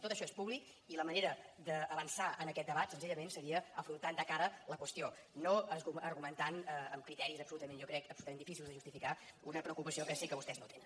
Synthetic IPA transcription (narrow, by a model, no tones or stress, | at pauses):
t̪ot̪əʃɔespuβlik | iləməneɾəd̪əːβənsaənəkɛt̪d̪əβat̪sənziʎəmensəɾiəəfɾunt̪and̪əkaɾələkwəst̪io | noəzɣuəɾɣumənt̪anəəmkɾit̪ɛɾizəpsulut̪əmenjɔkɾɛkəpsut̪əmenifisilˠzðəʒust̪ifikaunəpɾəukupəsiokəsikəβust̪ɛznot̪enən